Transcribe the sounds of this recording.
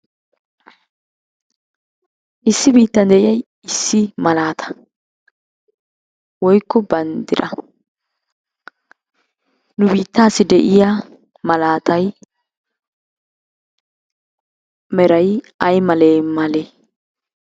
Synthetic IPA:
ʔɪsːɪbiːt̪ːɐnd̪ɛʔɪjɐj | ɪsːɪmɐlaːt̪ʰɐ̥ | wɔjkːɔbɐnd̪ɪɾɐ | nʊbiːt̪ːaːsːɪd̪ɛʔɪja | mɐlaːt̪ɐj | mɛɾɐj | ɐjmɐleːmɐleː

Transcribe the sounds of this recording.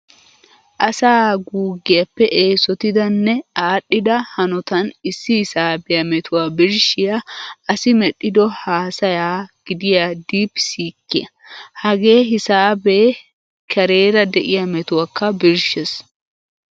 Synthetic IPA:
ʔɐsaːɡuːɡːɪjɐpːɛʔe̞ːsɔt̪ɪd̪ɐnːɛaːɗːɪd̪ɐhɐnɔt̪ɐnɪsːɪhɪsaːbɛjɐmɛt̪ʰʊwaːbɪɾʃɪjɐɐsɪmɛɗːɪd̪ɔhaːsɐjaːɡ̥ɪd̪ɪjad̪iːpːsiːkːɪjɐ | hɐɡeːɦɪsaːbeː | kʰɛɾeːɾɐd̪ɛʔɪjɐmɛt̪ʊwakːɐbɪɾʃɛs

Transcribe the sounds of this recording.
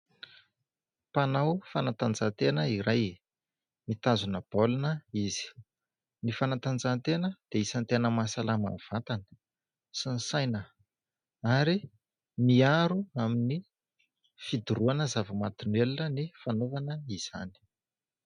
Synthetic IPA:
panawfanat̪and͡zat̪enəiɾaj | mit̪azunəb̥olunəiz̥i̥ | nifanat̪and͡zant̪enəd̪̥eisant̪enəmasalama̰nv̥at̪anə̥ | sinisajnə | aɾi | miaɾuamini | fid̪uɾuanəzavəmat̪unwelunənifanovanəiz̥a̰ni̥

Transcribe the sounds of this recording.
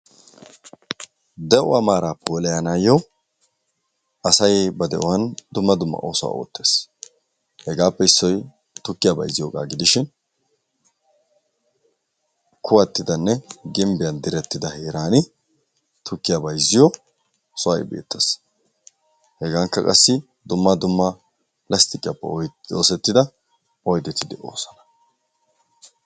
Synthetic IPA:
d̪ɛʔʊɐmaːɾaːpːɛwɔlɛjanaːjɔ | ɐsɐjbɐd̪ɛʔɔwɐnd̪ʊmːɐd̪ʊmːɐ̰ʔo̰ːsʊwa̰o̰ːt̪ːe̞ːs | hɛɡaːpːɛɪsːɔj | t̪ʊkːɪjabɐ̰jzːɪjoːkʼa̰ːɡɪd̪ɪʃɪn | kʰʊwɐt̪ːɪd̪ɐnːɛɡɪmbɪjɐnd̪ɪɾɛt̪ːɪd̪ɐheːɾaːnɪ | t̪ʰʊkːɪjabɐjzɪjɔ | sʊwɐ̰jbḛːt̪ːɐs | hɛɡaːŋkːɐkʼɐ̰sːɪ | d̪ʊmːad̪ʊmːa | plɐst̪ɪkʼɪjɐpːɛɔo̰ːsɛt̪ːɪd̪ɐ | ɔjd̪ɛt̪ːɪd̪ɪʔo̰ːsɐnɐ̥

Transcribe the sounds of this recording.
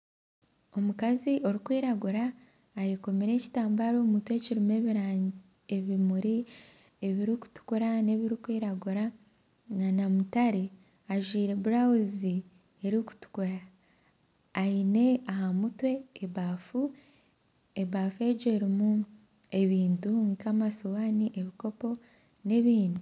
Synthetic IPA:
o̞mukaziʔo̞ɾikwiːɾaɡuɾaː | jeko̞miɾe̞ːci̥taːmbaɾomutwe̞ːciɾimeβiɾa | eβimuɾi | eβiɾiku̥tu̥kuɾane̞βiɾikwiːɾaɡuɾa | ŋanamutaɾe | aʒwiːɾe̞βuɾawuzi | eɾiku̥tu̥kuɾa | ine̞aɦamutwe̞ːβaːfu | eβaːfe̞ɟoeɾimu | e̞βiːntuŋkamasowaːniʔe̞βiko̞po̞ | ne̞βiːndi

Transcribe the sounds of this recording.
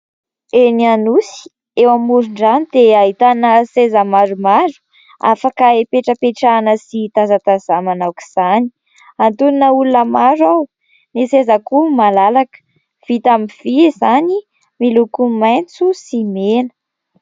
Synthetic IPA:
enianusi̥ | ewamuɾuɳɖ͡ʐanid̪eaɦit̪anəsezəmaɾumaɾu̥ | a̰fakaepeʈ͡ʂəpeʈ͡ʂanəsit̪azat̪azamanawki̥z̥ani̥ | ant̪unnəulunəmaɾaw | nesezakumalalakə̥ | v̥it̪amiv̥iezani | milukumajnt͡susimenə̥

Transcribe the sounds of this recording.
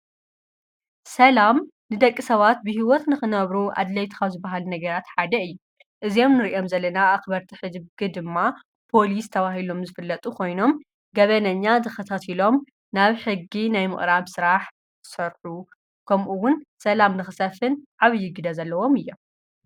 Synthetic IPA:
sɐlamnɨd̪ɐkʼːisɐβat̪̚bɨhiwɔt̪nɨxɨnɐβɾuʔa̰d̪lɐjt̪ʰi̥kʰawzɨbːaɦalunɐɡɐɾat̪ħad̪ɐɨjːu | ʔɨzijo̞mnɨɾiʔomzɐlːɐnaːxbɐɾt̪ʰiħɨd̪bɡɨd̪ɨmːa | pʰo̞list̪ʰɐβaɦilo̞mzɨfɨlːɐt̪ʼukʰo̞jno̞m | ɡɐβɐnɐɲːazɨkɐt̪ʰat̪ʰilo̞m | naβħɨɡːinajmɨ̰χʼɾaβsɨɾaħ | sɐɾħu | kʰɐmʔuwʊnsɐlamnɨxɨsɐfɨnʕaβɨjːɪɡɨd̪ɐzɐlːɐwo̞mɨjːo̞m

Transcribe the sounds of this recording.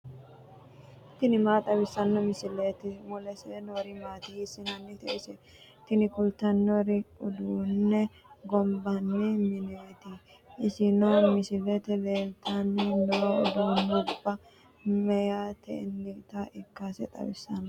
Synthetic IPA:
t̪ɪnɪmaːt̪ʼɐwɪsːɐnːɔmɪsɪleːt̪ɪwɔlɛsɛdoːɾɪmaːt̪ɪhɪsɪnɐnːɛt̪ɛʔɪsɛ | t̪ɪnɪkʊlt̪ɐnːoɾɪʊd̪uːnːɛ | ɡɔmbɐnːɛmɪneːt̪ɪ | ɪsɪnoːmɪsɪlet̪ɛleːlt̪ʰɐnːɛnoːʊ̰d̪uːnːʊbːɐ | mɛjat̪ʰɛ̰nːɪt̪aʔɪkːasɛ̰t̪ʼɐ̰bɪsɐnːɔ

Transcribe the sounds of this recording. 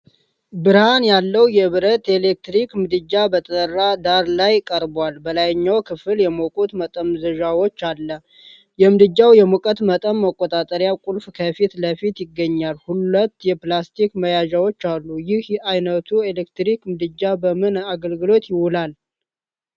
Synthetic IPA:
bɨɾhanjalːəwjɛβɨɾət̪e̞lek̚t̪ɾikmɨd̪ɨd͡ʒːabət̪ʼərːad̪aɾlajkʼəɾbwalbəlajɪɲːawkʰɨfɨljɛmokʼut̪mət̪ʼəmzəʒawo̞t͡ʃːalːə | jɛmɨd̪ɨd͡ʒːawjɛmokʼət̪mət̪ʼəmːəkʼːot̪ʼat̪ʼəɾjakʼulfkʰəfit̪ləfit̪jɪɡːəɲːalhulət̪ːjɛplast̪ʰikməjaʒawo̞t͡ʃːalːujɪhajnət̪ʰuelekt̪ɾikmɨd̪ɨd͡ʒːabəmɨnaɡəlɡɨlo̞t̪jɪhulal

